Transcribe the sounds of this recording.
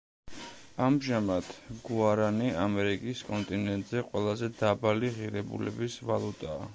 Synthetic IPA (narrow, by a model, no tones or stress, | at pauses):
amʒamat̪ʰɡ̥uaɾaniamɛɾikʼiskʼɔnt̪ʼinɛnt̪ʼzɛqʼwɛlˠazɛd̪abaliʁiɾɛbṵlɛ̰bisvalˠut̪ʼaː